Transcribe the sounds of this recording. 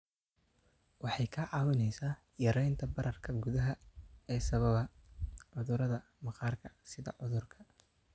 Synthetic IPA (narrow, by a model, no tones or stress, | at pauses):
wɑħɑjkʰɐʕɑːwɪnɛjsaː | jɐɾɛjnt̪ʰɐbɐɾɐrkʰɐɡuðɐɦɐɛːsɐβɐβɐʕʊðʊɾɐðɐ | mɑqɑːrkʰɐsɪðɐ̰ʕʊðʊrkʰɐ̥